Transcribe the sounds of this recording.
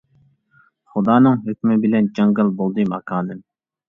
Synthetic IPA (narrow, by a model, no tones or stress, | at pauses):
χʊd̪ɑːnɨŋɦøkʲmɪbɪlɛnd͡ʒɑŋɡɨlˠbolˠd̪ɨmɑkʰɑːnɨm